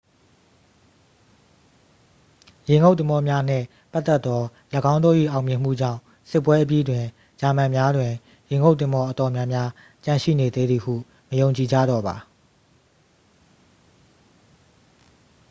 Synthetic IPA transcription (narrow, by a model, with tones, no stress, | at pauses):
jɪ̃˨ŋɡo˦ʊt̪ɪ̃˨mɔ˦mja˦n̥ɪ̰̃˦˨ | pa˦t̪ːɛ˦t̪t̪ːɔ˦ | ləɡã˦ʊ̃nd̪o˦˨ʔḭ˦˨ʔã˨ʊmjɪ̃˨m̥ṵ˦˨d͡ʑã̰˦˨ | sɪ˦pːwɛ˦ʔəp̬ji˦dwɪ̃˨ | d͡ʑa˨mã˨mja˦dwɪ̃˨ | jɪ̃˨ŋo˦ʊʔt̪̬ɪ̃˨mbɔ˦ʔət̪ɔ˨mjã˦mja˦ | t͡ɕã˨ʃḭ˦˨ne˨d̪e˦d̪i˨hṵ˦˨ | məjõ˨ʊ̃ɲt͡ɕi˨d͡ʑa̰˦˨dɔ˨ba˨